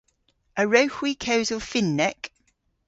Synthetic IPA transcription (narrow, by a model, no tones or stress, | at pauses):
ʔəɹəʊhwikʰəʊzəlˠfɪ̃nːɛk